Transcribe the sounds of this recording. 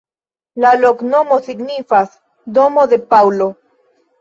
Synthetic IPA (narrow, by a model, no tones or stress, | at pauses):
lalo̞kno̞mo̞siɡnifas | do̞mo̞d̪e̞pawlo̞